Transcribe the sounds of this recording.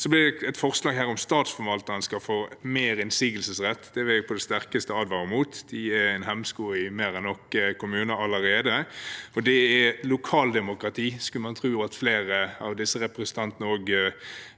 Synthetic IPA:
sɔblɪd̪ɛɛt̪fɔʁslɑːɡɦæːɾɔmst̪ɑːt̪sfɔɾʋɑlt̪ɑənskɑfoːmeːɾɪnsiːɡəlsəsʁɛt̪ʰːd̪̥ɛʋɛpʰɔd̪ɛst̪æʁkəst̪əɑːd̪ʋɑɾəmuːt̪d̪̥ɪæɛnhɛmskuːɪmeːɾɛnːɔkːəkʊmʉːnəɑlːəɾeːd̪əɔd̪ɛælʊkʰɑːld̪ɛmʊkɾɑt̪ʰiːskʉlmɑnt̪ʰɾuːɑt̪fleːɾəɑʋd̪ɪsːəɾɛpɾɛsən̩t̪ʰɑnt̪ənəoːɡ

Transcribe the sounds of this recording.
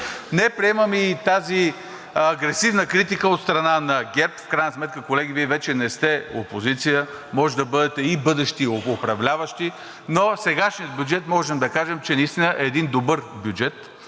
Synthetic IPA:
nɛpɾiɛməmiːt̪azi | ɐɡɾɛsivnəkɾit̪ikəot̪st̪ɾɐnanɐɡʲɛɾpfkɾajnɐsmɛt̪̚kəkolɛɡ̟ʲiviɛvɛt͡ʃɛnɛst̪ɛopozit̪sijə | mɔʒɛd̪ɐbɤd̪ɛt̪ɛibɤd̪ɛʃt̪ioopɾɐvlʲavɐʃt̪i | nosɛɡaʃnijəd̪̚bjud͡ʒɛt̪mɔʒɛmd̪ɐkaʒɛmt͡ʃɛnɐist̪inəʔɛːd̪ind̪obɤɾbʲjud͡ʒɛt̪

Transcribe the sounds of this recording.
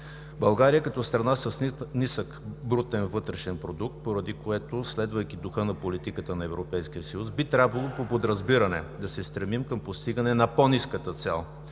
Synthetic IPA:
bɐlˠɡaɾijəkɐt̪ɔst̪ɾɐnasɐsnisəkbɾut̪ɛnvɤt̪ɾɛʃɛnpɾod̪uk̚t̪̚poɾɐd̪ikoɛt̪oslɛd̪vəjkid̪ʊxɤnɐpolit̪ikət̪ənɐɛvɾopɛjskiəsɐjusbit̪ɾʲabvɐlˠopopod̪ɾɐzbiɾɐnɛ̰d̪ɐsɛst̪ɾɛmimkəmpost̪iɡənɛnɐponiskət̪ət̪sɛ̰lˠ

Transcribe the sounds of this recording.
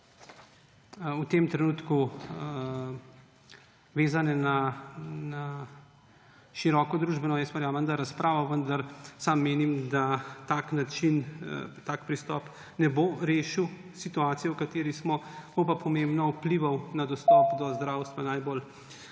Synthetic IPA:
wt̪emt̪ɾɛnuːt̪ku | ʋeːzanɛnana | ʃiɾɔkɔd̪ɾuːʒbɛnɔjɛst̪ʋɛɾjaːmənd̪aɾaspɾʔaːʋɔʋənd̪aɾsaːmːeːnimd̪at̪aknat͡ʃint̪aːkpɾist̪ɔːp | nɛboɾeːʃiw | sit̪uaːt̪sijɛwkat̪eːɾismɔkowpapʰɔmẽmbnɔupliʋawnad̪ɔst̪ɔpd̪ɔzd̪ɾawst̪ʋanajbol

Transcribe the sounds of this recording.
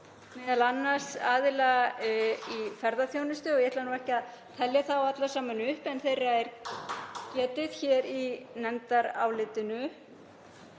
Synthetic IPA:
mɛːðalanːaɾ̥saːðɪla | ifɛɾðaθjoːwnʏst̪ʏɔɣjɛt̪lanuːɛhcɪað | t̪ʰɛljaθawaat̪lasaːmanʏhpɛnθejrːaɛɾ | cɛːt̪ɪð̥çɛɾinɛnt̪aɾaːwlɪt̪ɪnʏ

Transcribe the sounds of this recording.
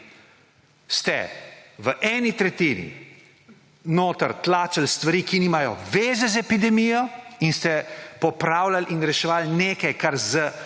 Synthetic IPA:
st̪ɛ̰ʋəʔɛːnit̪ɾɛt̪iːnḭ | noːt̪əɾt̪laːt͡ʃalst̪ʋaɾiːkiniːmajɔ̰ʋeːzɛzɛpid̪ɛmiːjɔinst̪ɛpɔpɾaːwlalʔinɾɛʃɛʋaːlneːkajkaɾzə

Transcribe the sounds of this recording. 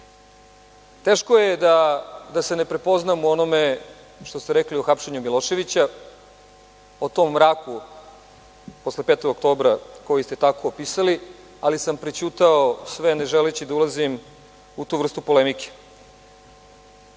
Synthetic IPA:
t̪eːʃkojed̪ad̪ase̞ne̞pɾe̞po̞znamuo̞no̞me̞ | ʃt̪ost̪eɾeklioxapʃe̞ɲumilˠo̞ʃe̞ʋit͡ɕa | ot̪o̞mːɾaːku | po̞sle̞pet̪o̞ɡok̚t̪o̞ːbɾako̞jist̪e̞t̪ako̞ːpisali | alisampɾet͡ɕuːt̪aosʋene̞ʒelet͡ɕid̪aulazim | ut̪uːʋr̩st̪upo̞lemike̥

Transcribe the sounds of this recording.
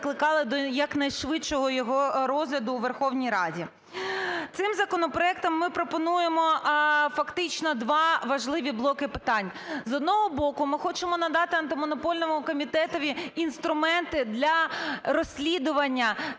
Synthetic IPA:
klˠɪkɑlˠɪd̪ɔjɐknɐjʃʋɪt͡ʃɔɦɔjɔɦɔɾɔzlʲɐd̪ʊːʋerxɔwnʲijɾɑdʲi | t̪sɪmzɐkɔnɔpɾɔɛk̚t̪ɔmːɪpɾɔpɔnujemɔfɐkt̪ɪt͡ʃnɔd̪ʋɑʋɐʒlˠɪʋʲiblˠɔkɪpɪt̪ɑnʲ | zɔd̪̚nɔɦɔbɔkʊmɪxɔt͡ʃɪmɔnɐd̪ɑt̪ɪɐnt̪ɪmɔnɔpɔlʲnɔmʊkɔmʲit̪ɛt̪ɔʋʲiːnst̪ɾʊmɛnt̪ɪd̪lʲɐɾɔsʲlʲid̪ʊʋɐnʲːɐ

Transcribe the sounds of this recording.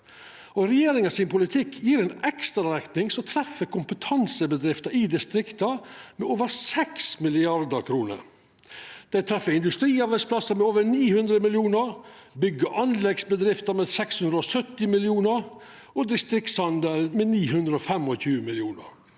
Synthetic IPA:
ɔɾɛjeːɾɪŋɑsɪnpʰʊlɪt̪ʰɪkʰːjiːɾɛːnɛkst̪ɾɑɾɛkt̪nɪŋsɔt̪ʰɾɛfːəkʰʊmpət̪ʰɑnsəbəd̪ɾɪft̪ɑɪd̪ɪst̪ɾɪkt̪ɑmɛoːʋəɾsɛksmɪlɪɑɾd̪əɾkʰɾuːnə̰ɾ | d̪̥æɪt̪ʰɾɛfːəɾɪnd̪ʉst̪ɾiːɑɾbæɪspʰlɑsəmɛoːʋəɾniːhʉnd̪ɾəmɪljuːnəɾ | bʏɡəʔɑnlɛɡsbəd̪ɾɪft̪ɑmɛsɛkshʉnd̪ɾəɔsœt̪ːɪmɪlɪuːnəɾ | ɔd̪ɪst̪ɾɪkt̪sɑnd̪əlmɛniːɦʉnd̪ɾəɔfɛmɔçʉːəmɪlɪuːnə̰ɾ

